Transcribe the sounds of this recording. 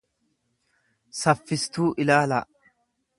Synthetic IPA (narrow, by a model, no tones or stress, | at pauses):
sɐfːɪst̪uːʔɪlaːlaː